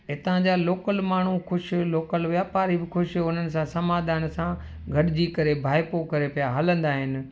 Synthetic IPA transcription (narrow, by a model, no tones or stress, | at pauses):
ɪt̪ãd͡ʑaːloːkəlmaːɳ̤uxʊʃloːkəlɦʊjapaːɾibɪxʊʃʊn̤ənɪ̆sãsɐmaːd̪ʱaːnsã | ɡʱɐɗɪd͡ʑikɐɾebʱaːɪpokɐɾepijaɦaːlə̃nd̪aːɦɪnɪ̆